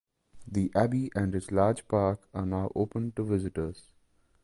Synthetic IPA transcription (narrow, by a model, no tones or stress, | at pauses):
d̪iʔæbiʔæ̃ɳɖɪslaːɾd͡ʒpaːɾkaːnaʊʔoːpə̃nʈuʋɪzɪʈəɾz̥